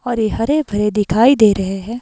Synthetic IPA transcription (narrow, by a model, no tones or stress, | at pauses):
ɔːɾjeɦɐɾebʱɐɾed̪ɪkʰaːid̪eːɾɐɦeɦɛː